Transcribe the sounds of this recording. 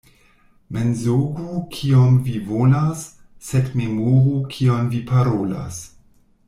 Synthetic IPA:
menzoɡukʰiomvivonasː | edmemoʁukʰionvipaɾola̰s

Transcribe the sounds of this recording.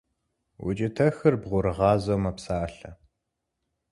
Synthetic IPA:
wʊ̰t͡ʃʼɪtʰɐxɨrbʁʷʊɾɨʁɑːzomɐpsaːɬɐ

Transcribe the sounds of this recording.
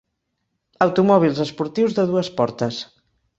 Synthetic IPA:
əwt̪umɔβ̞ilˠzəspuɾt̪iwzðəðuəspɔɾt̪əs

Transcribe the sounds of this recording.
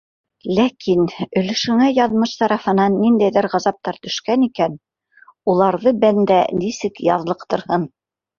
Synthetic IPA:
lækʰinɵ̆lɵ̆ʃɵ̆ŋæjɑðmɤʃt̪ɑɾɑfɤ̆nɑnːind̪æjðɘɾʁɑzɑp̚t̪ɑɾt̪ɵ̆ʃkænikæn | ulˠɑɾðɤbænd̪ænisɘkjɑ̰ðlˠɤqt̪ŏɾhɤn

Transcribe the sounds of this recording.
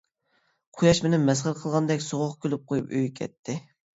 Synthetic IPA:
qʰʊjɑʃmɪnɪmɛsχəɾqʰəlˠʁɑnd̪ɛkʲsoʁʊχkʲʰølɪp̚qʰojupøjkʲʰɛ̰t̪ʰːɪ

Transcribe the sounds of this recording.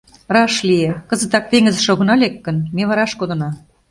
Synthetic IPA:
rɑʃliekə̆zə̆t̪ɑk̚t̪eŋəzʃoɣɤ̆nɑlekːə̆nmeβɑɾɑʃkod̪ɤ̆nɑ

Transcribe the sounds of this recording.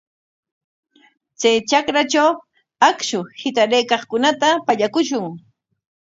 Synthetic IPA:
t͡sajt͡ʃakɾat͡ʃaw | akʃʊhɪt̪aɾajkɑχkʊnat̪apaʎakʊʃʊŋ

